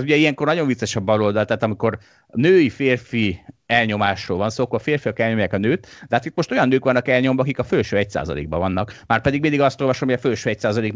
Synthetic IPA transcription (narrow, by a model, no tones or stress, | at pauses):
ɛzuɟɛijɛŋko̞rnɒɟo̞ɱvit̪sːɛʃɛbːɒlo̞ld̪ɒlt̪ɛːt̪ɒmiko̞r | nøːjifeːrfiɛlɲo̞maːʃroːlvɒnsoːkːoɒfeːrfiɒkɛlɲo̞mjaːkɒnøːt̪ɛɦaːt̪it̪̚mo̞ʃt̪o̞jɒnːøːkʋɒnːɒkɛlɲo̞mvɒɒkikɒfølʃøːɛcsa̰ːzɒ̰lḛːɡ̚bɒvɒnːɒkmaːrpɛd̪iɡmind̪iɡɒst̪olvɒʃomojɒfølʃøːɛcsaːzɒleːɡ